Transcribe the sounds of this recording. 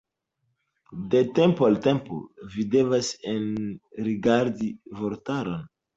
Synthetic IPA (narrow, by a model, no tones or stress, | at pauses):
dete̞mpoaltempo̰vide̞vasenɾiɡaɾdivoɾtaɾon